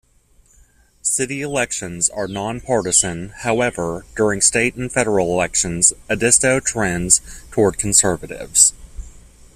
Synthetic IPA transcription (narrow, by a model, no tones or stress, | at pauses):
sɪɾiɨlɛkʃɨ̃nzə˞nɑ̃npʰɑɹɾɨzɨ̃nhaʊɛvə˞d̥ʊɹɪ̃ŋsteɪɾ̃n̩fɛɾə˞l̩ˠəlɛkʃɨ̃nz̥ɨdɪstoʊtʰɹ̥ɛ̃nz̥tʰɔɹd̚kʰn̩sɜ˞vɨɾɪ̰vz̥